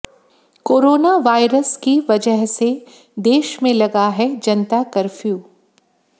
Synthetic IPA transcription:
koːɾoːnaʋaːɪɾəskiʋɐd͡ʒəɦse | d̪eːʃmẽlɐɡaɦɛd͡ʒɐnt̪akɐɾfʰjuː

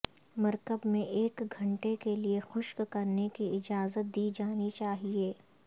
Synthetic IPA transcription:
mɐɾkəbmẽʔeːkɡʱɐ̃ɳʈekeliexʊʃkkɐɾnekiɪd͡ʒaːzət̪̚d̪iːd͡ʒaːnit͡ʃaːɦieː

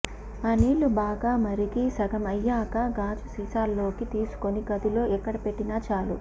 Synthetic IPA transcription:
ɐniːɭːubaːɡaːmɐɾikisɐɡɐmɐjːaːkaɡaːd͡ʒusiːsaːlːo̞ːkit̪iːsu̥koniɡɐd̪ulo̞ːʔɛkːɐɽɐpe̞ʈːinaːt͡ʃaːlṵ

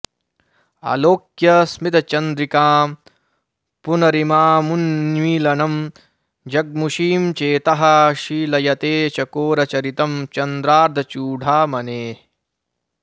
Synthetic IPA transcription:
a̰ːloːkjɐsmit̪ɐt͡ʃɐnd̪ɾikaːm | punɐɾimaːmunːʋiːlɐnɐm | d͡ʒɐɡ̚muʃiːmt͡ʃeːt̪ɐɦɐʃiːlɐjɐt̪eːt͡ʃɐkoːɾɐt͡ʃɐɾit̪ɐmt͡ʃɐnd̪ɾaːɾd̪ʱɐt͡ʃuːɖʱaːmɐneː

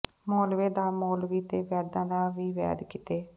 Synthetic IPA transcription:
moːlʋeːd̪aːmoːlʋiːt̪eːʋɛːd̪ãːd̪aːʋiːʋɛ̰ːd̪kɪt̪eː

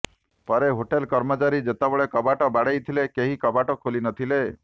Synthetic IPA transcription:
pɔɾeɦoʈelkɔɾmɔt͡ʃaɾid͡ʒet̪abɔɭekɔbaʈɔbaɽejt̪ʰilekeɦikɔbaʈɔkʰolinɔt̪ʰile

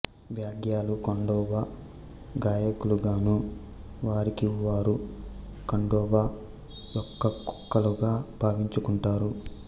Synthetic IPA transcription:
ʋjaːɡjaːlukɐɳɖɔːba | ɡaːjɐkuluɡaːnu | ʋaːɾikiʋaːɾukɐɳɖɔːbaː | jɔkːɐkɔ̥kːɐluɡaːbʱaːʋiɲt͡ʃukuɳʈaːɾu

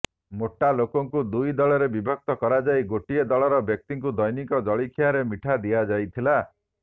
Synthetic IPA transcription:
moʈːalokɔŋkud̪ujd̪ɔɭɔɾebibʱɔk̚t̪ɔkɔɾad͡ʒajɡoʈied̪ɔɭɔɾɔbjɔk̚t̪iŋkud̪ɔjnikɔd͡ʒɔɭikʰjaɾemiʈʰad̪ijad͡ʒajt̪ʰila

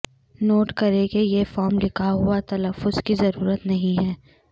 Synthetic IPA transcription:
noːʈkɐɾekejefɔːɾmlɪkʰaɦʊat̪ɐləfːʊzkizɐɾuːɾət̪nɐɦĩɦɛː

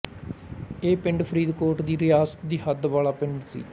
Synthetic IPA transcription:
eːpɪ̃ɳɖpʰɾiːd̪koːɾʈd̪iːɾɪjaːsə̥t̪̚d̪iːɦəd̪ʋaːlaːpɪɳɖsḭː

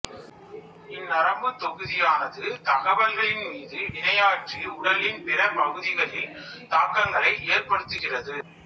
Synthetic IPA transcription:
ɪnːɐɾɐmbɯt̪ɔɣɯðɪjaːnɐðɯt̪ɐɣɐʋɐlɣɐɭɪnmiːðɯʋɪnɐjaːʈriʊɽɐlɪnpɪrɐpɐɣɯðɪɣɐɭɪl | t̪aːkːɐŋɡɐɭɐɪʔeːrpɐɽɯt̪ːɯɣɪrɐðɯ

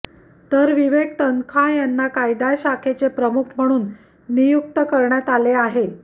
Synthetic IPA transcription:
t̪əɾʋiʋeɡ̚t̪əŋkʰajanːakajd̪ajɕakʰet͡sepɾəmukʰm̤əɽ̃uːnː | ijuk̚t̪əkəɾɳjat̪aleaɦe

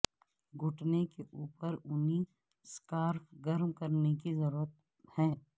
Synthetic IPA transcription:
ɡʱʊʈnekeʔuːpəɾʊni | skaːɾfɡɐɾmkɐɾnekizɐɾuːɾət̪̚ | hɛː

